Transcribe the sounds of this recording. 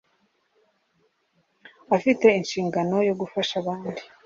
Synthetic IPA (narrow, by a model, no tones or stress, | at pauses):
afite̞inʃiːŋɡano̞jo̞ɡufaʃaβaːndi